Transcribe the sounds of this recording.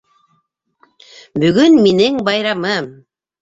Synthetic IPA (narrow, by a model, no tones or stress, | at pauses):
bɵ̆ɡɵnminɘŋbɑjɾɑmɤm